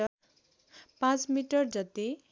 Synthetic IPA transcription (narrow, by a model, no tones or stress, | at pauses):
pãt͡smiʈʌrd͡zʌt̪i